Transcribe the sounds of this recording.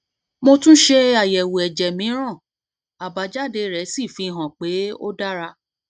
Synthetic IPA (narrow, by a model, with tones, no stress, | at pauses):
mo˧tũ˦ʃe˧a˨jɛ˨wu˨ɛ˨d͡ʒɛ˨mĩ˨˦ɾ̃ã˦˨ | a˨ba˨˦d͡ʒa˦de˧ɾɛ˨˦si˦˨fĩ˧ɦã˨k͡pe˨˦o̰˦da˦ɾa˧